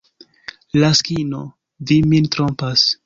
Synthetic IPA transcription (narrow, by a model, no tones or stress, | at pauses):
laskino | vimintɾompas